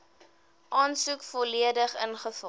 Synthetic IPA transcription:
ʔɑːnsukfɔliədəχənχəfɔ

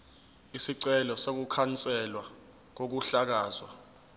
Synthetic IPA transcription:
isiǀɛlɔsok̬ukʰant͡sʼɛlwa | k̬ok̬uɬak̬aːzwa

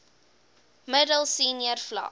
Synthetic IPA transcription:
mədəlˠsiːniərflɐ̰

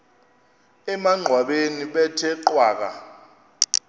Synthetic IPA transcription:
ɛmaŋ͡ǀʱwaɓeniɓɛtʰɛǃwaːk̬a̰

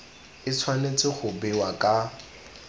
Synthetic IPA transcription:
ɪt͡sʰwanet͡sʼɪχʊbɪwakʼa

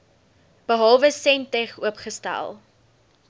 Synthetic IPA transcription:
b̥əɦɐlˠvəsɛntɛχuəpχəstæ̰lˠ

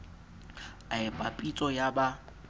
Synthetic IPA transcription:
aɪpʼapʼit͡sʼɔjaba

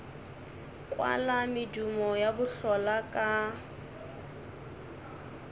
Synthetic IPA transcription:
kʼwa̰lamɪdumɔjabʊɬɔlakʼa

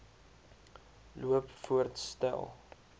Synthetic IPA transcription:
luəpfuərtstɛ̰lˠ

